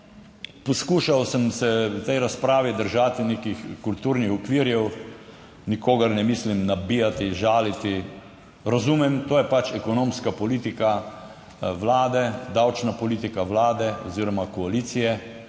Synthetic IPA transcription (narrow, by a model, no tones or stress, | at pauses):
pɔskuːʃawsəmsɛt̪ɛjɾaspɾaːʋid̪əɾʒaːt̪ineːkixkult̪uːɾnixɔkʋiːɾjɛw | nikoːɡɐɾnɛmislimnabiːjat̪iʒaːlit̪i | ɾazuːmɛmt̪oːjɛpat͡ʃɛkɔnõːmskapɔliːt̪ika | ʋlaːd̪ɛd̪awt͡ʃnapɔliːt̪ikaʋlaːd̪ɛɔ̰ziːɾɔmakɔaliːt̪sijɛ